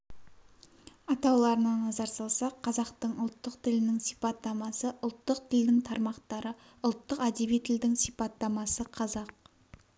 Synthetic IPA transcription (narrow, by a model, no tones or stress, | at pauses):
ɑt̪ɑwlˠɑɾənɑnɑzɑɾsɑlˠsɑqʰːɑzɑqt̪əɴʊlˠt̪ːəqt̪ʰɪlɪnɪŋsijpɑt̪ːɑmɑsəʔʊlˠt̪ːəqt̪ʰɪld̪ɪŋt̪ʰɑɾmɑqt̪ɑɾə | ʊlˠt̪ːəqæd̪ebijt̪ʰɪld̪ɪŋsijpɑt̪ːɑmɑsəqʰɑzɑq̚